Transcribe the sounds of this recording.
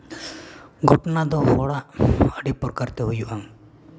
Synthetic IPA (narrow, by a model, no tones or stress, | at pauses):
ɡʱɔʈnad̪ɔhɔɽaʔəɖipɔɾkəɾt̪ɛɦujuʔaŋ